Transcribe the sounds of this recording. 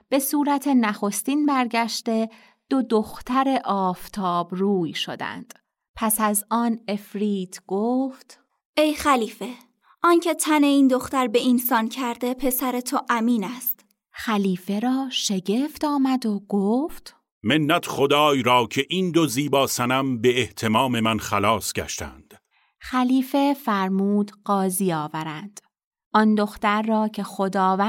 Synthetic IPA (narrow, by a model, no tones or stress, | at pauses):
b̥e̞suːɾæt̪ʰe̞næxo̞st̪iːnbæɾɟæʃt̪e̞ | d̪̥o̞d̪o̞xt̪ʰæɾe̞ʔɒːft̪ʰɒːbruːjʃo̞d̪æ̰nd̪̥ | pʰæsæzɒːne̞fɾiːt̪ʰɡ̥oːft̪ | ʔe̞jxæliːfe̞ | ʔɒːncʰe̞t̪ʰæne̞iːnd̪oxt̪æɾbe̞insɒːncʰæɾd̪e̞pʰe̞sæɾe̞t̪ʰoʔæmiːnæst̪ | xæliːfe̞ɾɒːʃe̞ɟe̞ft̪ɒːmæd̪oɡoːft̪ | menːæt̪χod̪ɒːjɾɒːcʰe̞ʔiːnd̪oziːbɒːsænæmbe̞ːht̪ʰe̞mɒːme̞mænxælɒːsɡæ̰ʃt̪ʰæ̰nd̪̥ | xæliːfe̞fæɾmuːd̪ɢɒːziːɒːvæɾænd̪̥ | ʔɒnd̪o̞xt̪æɾːɒːcʰe̞xo̞d̪ɒːvæ